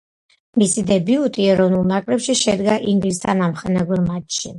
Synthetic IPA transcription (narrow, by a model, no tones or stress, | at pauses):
misid̪ɛbiut̪ʼiɛɾɔvnulˠnakʼɾɛpʃiʃɛd̪ɡaʔiŋɡlisʰanamχɛnaɡwɛɾmat͡ʃʼʃi